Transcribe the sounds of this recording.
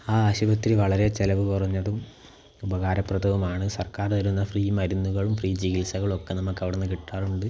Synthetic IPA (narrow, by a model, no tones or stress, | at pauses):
aːɐɕubɐt̪ːɾiʋɐɭɐɾe̞t͡ɕelɐʋɨkurɐɲːɐðum | ubɐɣaːɾɐprɐd̪ɐʋumaːɳɨsɐrkaːrt̪ɐɾunːɐfriːjmɐɾunːuɣɐɭumfriːd͡ʑiɣilsɐɣɐɭo̞kːe̞nɐmːɐkːɐʋiɽenːɨkiʈːaːruɳɖɨ